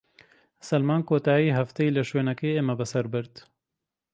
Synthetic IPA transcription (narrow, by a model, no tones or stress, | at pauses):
sɐlmaːnkoːt̪aːjiːɦɐft̪ejiːlɐʃweːnɐkeːeːmɐbɨsɐɾbɨɾd̪